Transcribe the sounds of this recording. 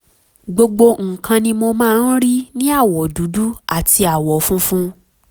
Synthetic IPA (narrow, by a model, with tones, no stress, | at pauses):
ɡ͡bo˧ɡ͡bo˧ŋ̩˨kʰã˧nĩ˧mo˧mãː˦˧˦n̩˦ɾi˦nĩ˦a˦˨wɔ˨du˨˦du˦a˦˨ti˧a˨wɔ˨˦fũ˦fũ˦